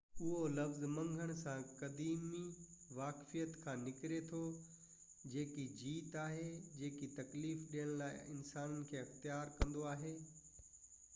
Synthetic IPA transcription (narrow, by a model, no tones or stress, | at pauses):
ʊɦolɐfzmɐ̃ŋɡʱəɽ̃sãkɐd̪iːmiʋaːkfijət̪kʰãːnɪkɪɾet̪ʰo | d͡ʑeːkid͡ʑiːt̪aːɦed͡ʑeːkit̪ɐkliːfɗijəɽ̃laːɪɪnsaːnənɪ̆kʰeːɐxt̪ijaːɾkɐ̃nd̪oaːɦeː